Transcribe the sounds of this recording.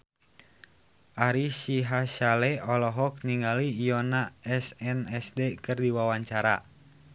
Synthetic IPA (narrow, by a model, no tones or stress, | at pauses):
ʔaɾiʃiɦaʃalɛɔlɔɦɔk̚niŋɡaliːjɔnaɛsɛnɛsdekɨrdiwawaɲt͡ʃaɾa̰